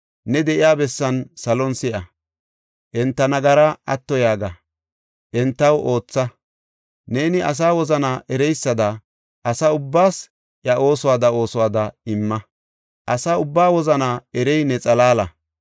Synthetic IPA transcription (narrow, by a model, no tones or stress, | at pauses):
nɛd̪ɛʔɪjaːbɛsːɐnsɐlɔnsɪʔɐ | ʔɛnt̪ːɐnɐɡɐɾɐʔɐt̪ːɔjaːɡɐ | ʔɛnt̪ːɐwʔo̞ːt͡sːɐ | ne̞ːnɪʔɐ̰s̬aːwɔzɐnaːʔɛɾɛjsːɐd̪ɐ | ʔɐsaʊbːaːs | ʔɐʔo̞ːsɔwaːd̪ɐo̞ːsɔwaːd̪ɐɪmːɐ | ʔɐsaːʊbːaːwɔzɐnaːɛɾɛjnɛt͡sʼɐlaːlɐ